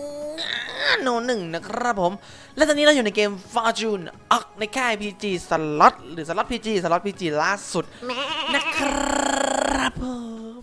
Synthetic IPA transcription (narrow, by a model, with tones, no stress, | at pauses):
a˧no˧˩nɯ˨˩ŋna˦˥kʰɾa˦˥p̚pʰːo˨˩˦m | lɛ˦˥t̪a˨˧niː˦˥a˧juː˨˩na˧jkeː˧mfɔː˧t͡ɕuː˧nʔɔː˦˩k̚na˧jkʰɛː˥˩pʰiː˧t͡ɕiː˧sa˧lɔ˦˥t̪̚ɾɯː˩˦sa˧lɔ˦˥t̪̚pʰiː˧t͡ɕiː˧sa˧˩l̚pʰiː˧t͡ɕiː˧laː˥˩su˨˩t̪̚na˦˥kʰ | a˦˥p̚ʰɤː˧